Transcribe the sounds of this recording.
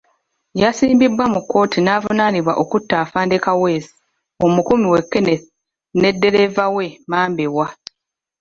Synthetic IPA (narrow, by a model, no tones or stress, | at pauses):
jasiːmbibwamukːo̞ːtʰinaːvunaniβwaʔo̞kutːaːfaːndekawe̞ːsi̥ | omukumiwe̞kːen | ne̞dːe̞ɾe̞vawe̞maːmbewa